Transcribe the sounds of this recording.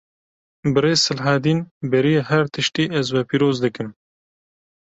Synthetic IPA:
bɨɾeːzsɨlɦaːd̪iːnbɛɾieɦɛɾt̪ʰɨʃt̪iːʔɛzwɛpiːɾoːzd̪ɨkɨm

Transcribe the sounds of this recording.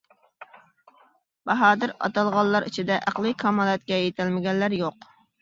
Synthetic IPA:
b̥ɑɦɑːd̪ɪɾɑ̰t̪ɑlˠʁɑlˠːɑɾit͡ʃʰid̪ɛʔæqlˠɨkʰɑmɑlˠɛt̪̚kʲɛjet̪ʰɪlmɪɡʲɛnlːæɾjoq

